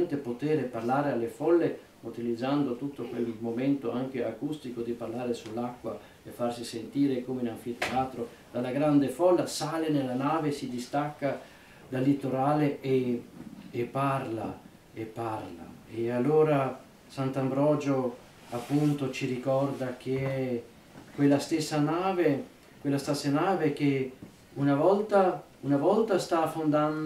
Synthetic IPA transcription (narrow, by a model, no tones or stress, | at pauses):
nt̪epot̪eːɾeparlaːɾealːefɔlːe | ut̪ilid̪zːand̪ot̪ut̪ːokwelmomɛnt̪oaŋk̟eakust̪ikod̪iparlaːɾesulːakːwa | efːarsisent̪iːɾekomeinaɱfit̪eaːt̪ɾo | d̪̥alːaɡɾand̪efɔlːasaːlenelːanaːvesid̪ist̪akːa | d̪alːit̪oɾaːleeː | pːarla̰ | epːarla̰ealːoːɾa | sant̪ambɾɔːd͡ʒo | apːunt̪ot͡ʃiɾikɔrd̪ak̟eɛ | kwelːast̪esːanaːve | kwelːast̪asːanaːvek̟e | unavɔlt̪a | unavɔlt̪ast̪afond̪an